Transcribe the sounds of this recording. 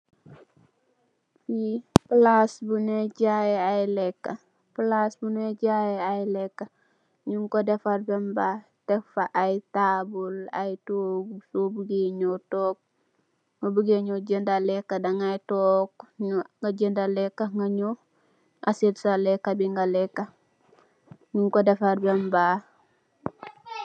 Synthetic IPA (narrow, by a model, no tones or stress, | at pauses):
iplasbuneɟajeajlɛkːa | plasbuneɟajeajlɛkːa | ɲuŋkodefaɾbemba | d̥efaʔajtabula̰jtoɡsobuɡeɲotoːk̚ | ŋobuɡeɲoɟendalekːadaŋajtokŋɡaɟendalekːaŋɡaɲo | ʔasetsalekːabiŋɡalɛkːa | ɲuŋkodafaɾbamba